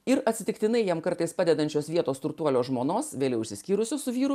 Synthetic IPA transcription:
ɪɾɐt̪ʲsʲɪt̪ʲɪkt̪ʲɪnɐɪjɛmkɐɾt̪ɐɪspɑːd̪ʲɛd̪ɐnʲt͡ʃʲoːsʋʲiɛt̪oːst̪ɾʊkt̪uɔlʲoːsʒmoːnoːsʋʲeːlʲɛʊʃʲsʲɪsʲkʲiːɾʊsʲʊsʊʋʲiːɾʊ

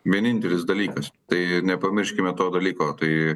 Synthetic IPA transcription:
ʋʲiɛnʲɪnʲt̪ʲɛlʲɪsd̪ɐlʲiːkɐst̪ɐɪnʲɛpɐmʲɪɾʲʃʲkʲɪmʲɛt̪oːd̪ɐlʲiːkoːt̪ɐɪ

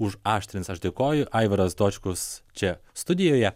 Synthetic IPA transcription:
ʊʃɑːʃʲt̪ʲɾʲɪnʲsɐʃd̪ʲeːkoːjʊʔɐɪʋɐɾɐsd̪oːt͡ʃʲkʊst͡ʃʲɛst̪ʊd̪ʲɪjoːjɛ

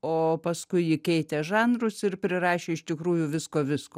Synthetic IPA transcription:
oːpɐskʊɪjɪkʲɛɪt̪ʲɛʒɑːnrʊsɪrpʲɾʲɪrɑːʃʲeːɪʃt̪ʲɪkɾuːjʊʋʲɪskoːʋʲɪskoː

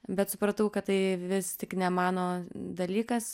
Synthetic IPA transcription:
bʲɛt̪sʊpɾɐt̪ɐʊkɐtt̪ɐɪʋʲɪst̪ʲɪknʲɛmɑːnoːd̪ɐlʲiːkɐs

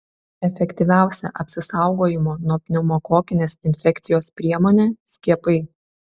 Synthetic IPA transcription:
ɛfʲɛkʲt̪ʲiʋʲæˑʊsʲɛ̰ʔɐpʲsʲɪsɐˑʊɡoːjɪmoːnɔpʲnʲʊmoːkoːkʲɪnʲeːsɪnʲfʲɛkʲt̪sʲɪjoːspʲɾʲiɛmoːnʲeːsʲkʲiɛpɐɪ

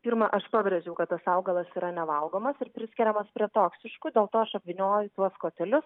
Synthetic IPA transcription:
pʲiːɾmɐʔɐʃpɑːbʲɾʲɛʒʲɛʊkɐt̪t̪ːɐsɑʊɡɐlˠɐsiːɾɐnʲɛʋɐlˠɡoːmɐsɪɾpʲɾʲɪsʲkʲɛɾʲɛmɐspʲɾʲiɛt̪oːksʲɪʃkʊd̪ʲeːlˠt̪oːɐʃɐpʲʋʲɪnʲoːjʊt̪uɔskoːt̪ʲɛlʲʊs

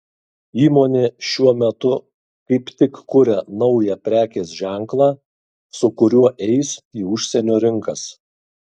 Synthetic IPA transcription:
iːmoːnʲeːʃʲuɔmʲɛt̪ʊ | kɐɪpt̪ʲɪkkʊɾʲɛnɒʊjɛpʲɾʲæːkʲeːsʒʲæˑŋˑklˠɑː | sʊkʊɾʲuɔʔɛɪsiːʊʃʲsʲɛnʲoːɾʲɪŋkɐs

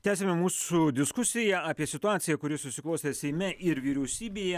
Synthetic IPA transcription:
t̪ʲæːsʲemʲɛmuːsud̪ʲɪskʊsʲɪjæaːpʲiɛsʲɪt̪ʊaːt̪ʲɪjɛkʊɾʲɪsʊsʲɪklˠɔʊsʲeːsʲɛɪmʲɛʔɪɾʋʲiːɾʲɛʊsʲiːbʲeːjɛ

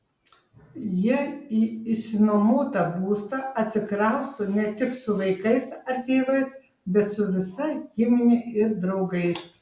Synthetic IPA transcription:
jiɛiːɪʃsʲɪnomoːt̪ɐbuːst̪ɐɐt̪ʲsʲɪkɾɐˑʊst̪ʊnʲɛt̪ʲɪksʊʋɐɪkɐɪsɐɾt̪ʲeːʋɐɪs | bʲɛt̪sʊʋʲɪsɐɪɡiːmonʲɪɪɾd̪ɾɒʊɡɐɪs

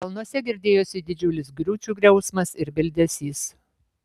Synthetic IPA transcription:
kɐlˠnuɔsʲɛɡʲɪɾʲd̪ʲeːjoːsʲɪd̪ʲɪd͡ʒʲʊlʲɪsɡɾʲuːt͡ʃʲuːɡɾʲɛʊsmɐsɪɾbʲɪlʲd̪ʲɛsʲiːs

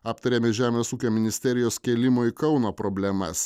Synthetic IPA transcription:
ɑːpt̪ɐɾʲeːmʲɪʒʲæːmʲeːsuːkʲoːmʲɪnʲɪsʲt̪ʲɛɾʲɪjoːskʲɛːlʲɪmoːikɒʊnoːpɾɔbʲlʲɛmɐ̰s

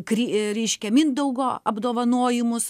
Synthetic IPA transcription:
kɾʲiɾʲɛɪʃʲkʲɛmʲɪnd̪ɐʊɡoːɐbd̪oːʋɐnoːjɪmʊs

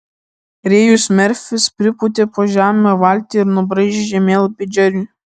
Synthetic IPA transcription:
ɾʲeːjuːˑsmʲɛɾʲfʲɪspʲɾʲɪpʊt̪ʲeːpoːʒʲæːmʲoʋɐˑlʲt̪ʲeːɪɾnʊbɾɐɪʒʲeʒʲɛmʲeːlˠpʲɪd͡ʒʲɛɾʲuː

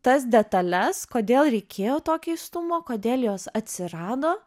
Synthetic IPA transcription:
t̪ɐsd̪ʲɛt̪ɐlʲɛskoːd̪ʲeːlˠɾʲɛɪkʲʰeːjoːt̪oːkʲɛɪst̪ʊmoːkoːd̪ʲeːlˠjoːsɐt̪ʲsʲɪɾɑːd̪oː

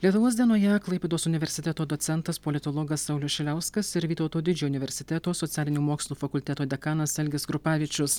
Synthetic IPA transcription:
lʲiɛt̪ʊʋoːsd̪ʲiɛnoːjɛɐklˠɐɪpʲeːd̪oːsʊnʲɪʋʲɛɾʲsʲɪt̪ʲɛt̪oːd̪osʲɛnt̪ɐspɔlʲɪt̪olˠɔːɡɐsːɐʊlʲʊsʃʲɛlʲæʊskɐsɪɾʋʲiːt̪ɐʊt̪oːd̪ʲɪd͡ʒʲuːʊnʲɪʋʲɛɾʲsʲɪt̪ʲɛt̪oːsɔt̪sʲæːlʲɪnʲuːmoːksʲlˠuːfɐkʊlʲt̪ʲɛt̪oːd̪ʲɛkɑːnɐsɛlʲɡʲɪsɡɾʊpɑːʋʲiːt͡ʃʲʊs

